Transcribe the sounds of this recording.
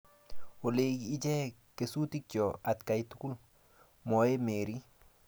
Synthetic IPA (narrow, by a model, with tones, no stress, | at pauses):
o˨le˦i˦d͡ʒɛ˦ | ke˨su˦ti˦k̚t͡ʃɔ˨a˨t̪ka˨jtu˦ku˦l | mɔ˨je˦me˨ɾi˦